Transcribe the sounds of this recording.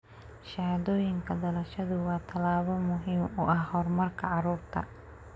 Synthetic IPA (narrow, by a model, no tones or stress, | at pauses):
ʃɐhd̪ɔːjɪŋkʰɐd̪ɐlɐʃɐðʊwɑːt̪ʰɐlaːβɐmʊɦiːmʊʔɐhhɔrmɐrkʰɐʕɑɾuːrt̪ʰɐ̰